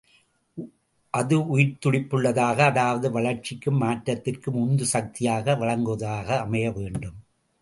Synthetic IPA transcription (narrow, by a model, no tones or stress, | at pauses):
ʔɐðɯʊjɪɾt̪ʊɽɪpːɯɭːɐðaːɣɐːðaːʋɐðɯʋɐɭɐɾt͡ʃɪkːɯmːaːʈɾɐt̪ːɪrkɯmʊnd̪ɯsɐk̚t̪ɪjaːɣɐʋɐɭɐŋɡɯɐðaːɣɐːmɐjɐʋeːɳɖɯm